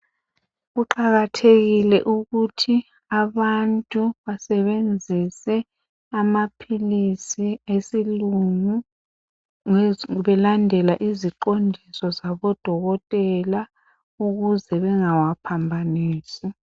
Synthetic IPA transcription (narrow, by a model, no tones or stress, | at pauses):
ɣuǃaɣatʰeɣilɛʔuɣutʰi | aβantʼuβasɛβend͡zʱisɛ | amapʰilisiesiluŋu | ŋβɛlandʱɛlaʔiziǃondʱisɔzaβɔd̥ʱɔɣɔtʼɛla | uɣuzɛβɛŋawapʰambʱaniːsi